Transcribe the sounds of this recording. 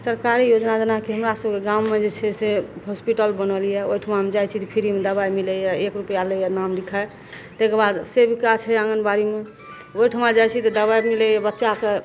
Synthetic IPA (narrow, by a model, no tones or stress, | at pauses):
səɾkaɾijod͡ʒnad͡ʒənakeɦəmɾasəbkeɡaumːed͡ʒet͡ʃʰɛseɦospiʈəlbənəlijɛoiʈʰəmamed͡ʒajt͡ʃʰit̪ɔpʰiɾimed̪əbajmiləjɛekɾupjaləjanamd̪ikʰae | t̪ekebad̪sebʱikat͡ʃʰɛãŋɡənbaɾime | oiʈʰəmad͡ʒajt͡ʃʰit̪ɔd̪əβajmiləjɛbətːʃake